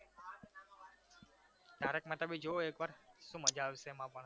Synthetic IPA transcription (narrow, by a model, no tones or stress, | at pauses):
t̪aɾekmat̪abid͡ʒooekʋaɾʃũməd͡ʒaʋʃemãpəɳ